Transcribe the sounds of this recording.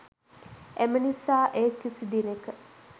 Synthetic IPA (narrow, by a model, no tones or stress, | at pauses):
emənisaːʔeːkːisid̪inekə